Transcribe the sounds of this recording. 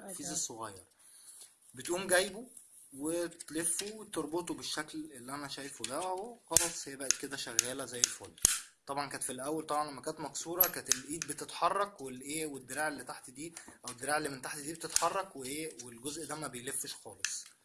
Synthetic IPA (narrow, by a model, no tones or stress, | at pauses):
fiːzesˤːoɣɑjːɑ̰ɾˤ | bet̪ʔuːmɡæjbo | wet̪lefːuwet̪eɾˤbot̪̬obeʃːæklʔelːiʔænæʃæːjfobææexɑlɑsˤhejbæʔed̪̚ked̪æʃæɣːæːlæzæjːelfolːt̪ˤɑbʕɑnkæːnt̪filʔæwːælt̪ˤɑbʕɑnlæmːækæːnt̪mɑksuːɾˤɑkæːt̪elʔiːd̪̚bet̪et̪ħɑrˤːɑkwelʔeːwed̪ːeɾaːʕelːit̪aħt̪id̪iːʔæwed̪ːeɾaːʕelːiment̪aħt̪id̪iːbet̪et̪ħɑrˤːɑkweʔeːwelɡozʔd̪æmæbejlefːeʃxɑːlesˤ